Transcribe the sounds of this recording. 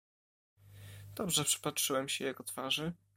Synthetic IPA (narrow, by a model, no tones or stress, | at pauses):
d̪̥ɔbʐɛpʂɘ̥patʂɘwɛmɕɛjɛɡɔt̪faʐɘ